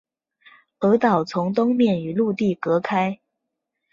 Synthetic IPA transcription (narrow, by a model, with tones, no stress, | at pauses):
ɤ˧˥t̪ɑ˨˩ʊt͡sʰʊ˧˥ŋt̪̬ʊ˥ŋmjɛ˥˩ny˨˩˦lu˥˧t̪i˥˩kɤ˧˥kʰa˥ɪ